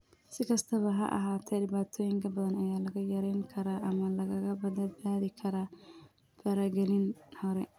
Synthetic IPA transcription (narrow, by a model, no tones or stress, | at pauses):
sɪkʰɐst̪ʰɐβɐɦɐ̰ʔɐ̰ɦaːt̪ʰɛɖɪβaːt̪ʰɔːjɪŋkʰɐbɐðɐnɐjaːlɐɣɐjɐɾɛjŋkʰɐɾaːʔɐmɐlɐɣɐɣɐbɐd̪ɐd̪̚baːðɪkʰɐɾaː | fɐɾɐɡɛlɪnhɔɾɛ